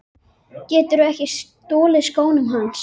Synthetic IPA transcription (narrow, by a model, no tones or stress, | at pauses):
cɛːt̪ʏɾʏɛhcɪst̪oːlɪðskoːwnʏmɦans